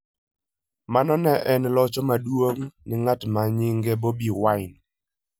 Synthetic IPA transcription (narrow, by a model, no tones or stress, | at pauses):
manɔnɛʔɛnlɔt͡ʃɔmadwoŋnɪŋatmaɲɪŋɡɛbobiwaɪn